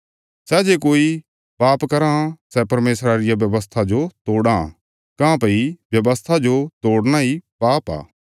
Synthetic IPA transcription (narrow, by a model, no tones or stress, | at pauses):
sɛd͡ʒeːkoːi | paːpkɐɾasɛpɐɾmeːsɾaɾɪjabjɐʋəst̪ʰad͡ʒot̪oːɽã | kãpɐibjɐʋəst̪ʰad͡ʒot̪oːɽñaipaːpa̰ː